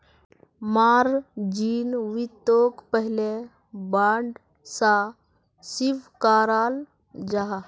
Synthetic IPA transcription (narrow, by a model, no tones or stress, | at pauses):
maːɾd͡ʒiːnʋit̪ːoːkpəɦɪle | baːɳɖ | sa | sɪʋkaːɾaːl | d͡ʒaɦa